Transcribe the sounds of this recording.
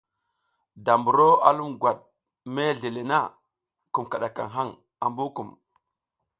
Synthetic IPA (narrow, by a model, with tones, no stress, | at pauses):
da˨mbu˨ɾo˦a̰˦lu˦mɡwa˨ɗ̚ | me˦˨ɮe˨le˨na˦ | ku˨mka˨ɗa˨ka̰˨ŋɦa˦ŋ | a˨mbu˦ku˨m